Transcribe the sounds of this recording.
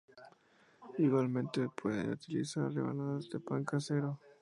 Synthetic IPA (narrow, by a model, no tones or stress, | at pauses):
iɣwalmẽ̞nt̪epʰwe̞ðḛut̪ilisaɾlḛβa̰naðazd̪epaŋkaseɾo